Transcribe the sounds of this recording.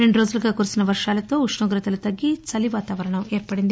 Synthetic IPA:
ɾeɳɖuɾo̞ːd͡ʒuluɡaːkuːɾusinɐʋɐɾʂaːlɐt̪o̞ːuʂɳɐɡɾɐt̪ɐlut̪ɐɡːit͡ʃɐliʋaːt̪aːʋɐɾɐɳɐmeːɾpɐɽind̪i

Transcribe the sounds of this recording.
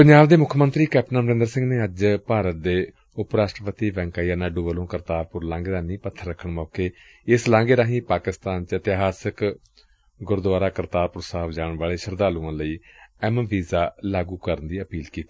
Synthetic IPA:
pəɲd͡ʒaːbd̪eːmʊkʰmənt̪ɾiːkɛːp̚ʈənəməɾɪ̃nd̪əɾsɪ̃ŋɡneːəd͡ʒpaːɾət̪̚d̪eː | ʊpɾaːsʈɾəpət̪iːʋɛ̃ːŋkaːiaːnaːɖuːʋəlõːkəɾt̪aːɾpʊɾlãːŋɡeːɾaːniːpət̪ʰːəɾːəkʰəɳmɔːkeː | ɪslãːŋɡeːɾaːɦĩːpaːkɪst̪aːnt͡ʃɪt̪ɪɦaːsək | ɡʊɾd̪ʊaːɾaːkəɾt̪aːɾpʊɾsaːəbd͡ʒaːɳʋaːleːʃəɾd̪aːlũːãːləiːɛmʋiːzaːlaːɡuːkəɾənd̪iːəpiːlkiːt̪i̥ː

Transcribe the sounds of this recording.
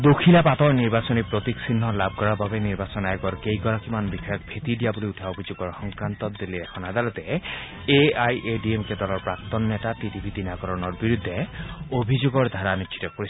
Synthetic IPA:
d̪okʰilapat̪ɔɹniɾbasɔnipɾot̪iksinːɔlab̚kɔɹabʱabeniɾbasɔnajɔɡɔɾkejkɔɾakimanbikʰɔjɔk̚bʰʱet̪idijaboliutʰaobʱid͡ʒoɡɔɹxɔŋkɾant̪ɔt̪d̪iliekʰɔnad̪alɔt̪e | eajʔeɖiemked̪ɔlɔɹpɹakt̪ɔnːɛtat̪itibʱit̪inaɡɔɾɔnɔɹbiɾud̪ʱːeobʱid͡ʒoɡɔɹd̪ʱaɾanit͡ʃʃʰi̥tɔpoɾis

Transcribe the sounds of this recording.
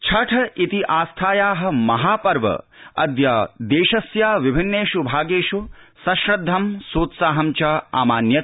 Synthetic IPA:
t͡ʃʰɐʈʰɐʔit̪iʔaːst̪ʰaːjaːɦɐ̆mɐɦaːpɐɾʋɐ̰ɐd̪jaːd̪eːʃɐsjaːʋibʱinːeːʃubʱaːɡeːʃusɐʃɾɐd̪ʱːɐmsuːt̪saːɦɐmt͡ʃɐa̰ːmaːnjɐt̪

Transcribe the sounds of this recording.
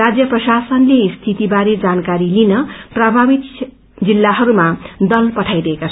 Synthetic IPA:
ad͡zjʌprʌsasʌnlest̪ʰit̪ibaɾed͡zankaɾilinʌprabʱabit̪ | d͡zilːaɦʌɾumad̪ʌlpʌʈʰajɾʌɦekat͡sʰ

